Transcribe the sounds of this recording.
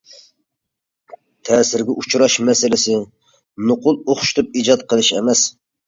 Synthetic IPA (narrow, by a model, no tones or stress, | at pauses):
t̪ʰɛːsɪɾɡʲɛʔut͡ʃʰɾɑʃmɛsɪlɪsɪ | nʊqʊlˠoχʃt̪ʰɨp̚iːd͡ʒɑt̪̚qʰəlˠɨʃɛ̰mɛs